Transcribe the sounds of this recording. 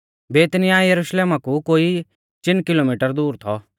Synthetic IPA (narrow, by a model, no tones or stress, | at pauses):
beːt̪nɪjaːjɐɾuʃleːmakukoːi | t͡ʃɪnkɪloːmiːʈəɾd̪uːɾt̪ʰɔ